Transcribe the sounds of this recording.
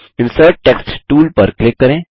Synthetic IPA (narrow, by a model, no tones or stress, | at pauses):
ɪnsəʈ̚ʈeksʈʈuːlpəɾklɪkːəɾẽ